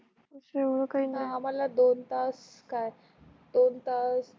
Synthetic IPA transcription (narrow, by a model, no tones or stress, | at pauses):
əsəeʋɽəkaɦiːnaam̤alad̪ont̪as | kaj | d̪ont̪as